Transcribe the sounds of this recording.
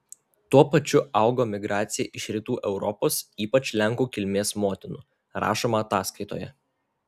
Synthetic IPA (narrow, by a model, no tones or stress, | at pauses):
t̪uɔpɐt͡ʃʲʊɑˑʊɡoːmʲɪɡɾɑːt̪sʲɪjɛːʔɪʃɾʲɪt̪uːʔɛʊɾɔpoːsiːpɐt͡ʃʲlʲɛŋˑkuːkʲɪlʲmʲeːsmoːt̪ʲɪnʊ | ɾɑ̰ːʃoːmɐɐt̪ɑːskɐɪt̪o̰ːjɛ̰